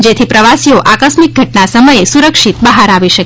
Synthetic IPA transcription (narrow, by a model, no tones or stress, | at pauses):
d͡ʒet̪ʰipɾəʋasioʔakəsmik̚ɡʱəʈnasəməjesuɾəkʃit̪̚bəɦaɾaʋiʃək